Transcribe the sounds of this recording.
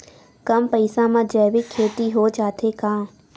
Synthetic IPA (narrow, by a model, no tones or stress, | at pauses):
kɐmpɐɪsãmãd͡ʒɛːʋikʰːeːt̪iɦot͡ʃaːt̪ʰekãː